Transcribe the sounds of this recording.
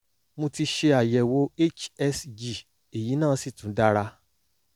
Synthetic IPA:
mõ˧ti˧ʃe˧a˨jɛ˨wo˨˦e˦˨t͡ʃɛ˧sd͡ʒi˨ | e˨ji˨˦nãː˦˨˦si˦˨tũ˨˦da˦˧ɾa˧

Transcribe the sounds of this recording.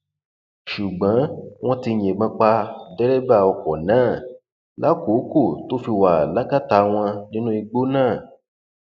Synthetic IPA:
ʃu˨ɡ͡bã˨˦w̃ɔ̃˦ti˧ɲ̃ẽ˨mã˧k͡pa˧dɛ˦ɾɛ˦ba˦˨ɔ˧kɔ˨nãː˦˨ | la˦ko˨˦ko˦˨to˦fi˧wa˨la˦ka˦ta˨˦w̃ɔ̃˧nĩ˦nũ˦i˧ɡ͡bo˦nãː˦˨

